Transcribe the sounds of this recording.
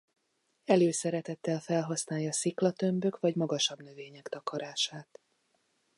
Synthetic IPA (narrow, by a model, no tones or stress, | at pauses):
ɛløːsɛɾɛt̪ɛt̪ːɛlfɛlɦɒsnaːjɒsiklɒt̪ø̞mbø̞kʋɒɟmɒɡɒʃɒbnø̞veːɲɛkt̪ɒkɒɾaːʃaːt̪